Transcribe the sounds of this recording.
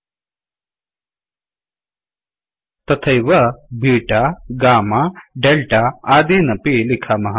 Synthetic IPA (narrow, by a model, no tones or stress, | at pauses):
t̪ɐt̪ʰɐjʋɐbʱiːʈaɡaːmaɖelʈaaːd̪eːnɐpilikʰaːmɐɦɐ